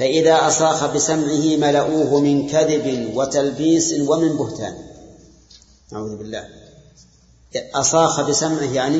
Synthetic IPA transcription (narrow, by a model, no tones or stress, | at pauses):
faʔɪðaːʔɑsˤɑːxabɪsamʕɪhɪmalaʔuːɦʊmɪnkaðɪbɪnwat̪albiːswamɪmbʊht̪a̰ːn | na̰ʕṵːðʊbɪlːa̰ːh | ʔɑsˤɑːxabɪsamʕɪhjaʕni